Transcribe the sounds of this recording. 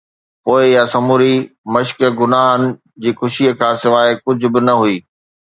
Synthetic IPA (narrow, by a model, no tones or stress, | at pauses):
poːɪjasɐmuɾimɐʃkɡʊnaːɦənɪ̆ | d͡ʑiːxʊʃiːəkʰãːsɪʋaːɪkʊd͡ʑʱʊbɪnɐɦuiː